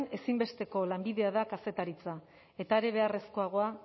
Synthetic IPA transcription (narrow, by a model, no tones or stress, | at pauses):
ne̞simbe̞st̪e̞ko̞lambiðe̞aðakase̞t̪aɾit͡sa | e̞t̪aeɾe̞β̞e̞are̞sko̞aɣ̞o̞a